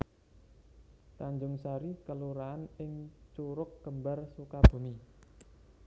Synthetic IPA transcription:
t̪aɲd͡ʒʊŋsaɾikəluɾaːnɪŋt͡ʃuɾʊk̚ɡ̥ə̤mbarsukab̥ṳmi

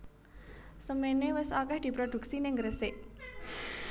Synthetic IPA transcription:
səmenewɪsakɛhd̪̥i̤pɾod̪̥ṳk̚sinɪŋɡɾəsɪʔ

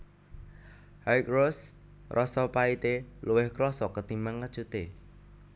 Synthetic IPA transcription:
hajkros | rʔɔsɔpait̪eluwɪhkɾɔsɔkət̪imaŋːə̥t͡ʃut̪e

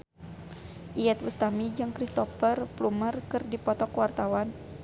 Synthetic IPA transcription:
ʔiɛt̪̚wust̪amid͡ʒɨŋkɾist̪ɔfərplumərkɨrdipɔt̪ɔkwart̪awan

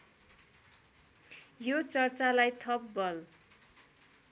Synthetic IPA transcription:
jot͡sʌrt͡salajt̪ʰʌpbʌl

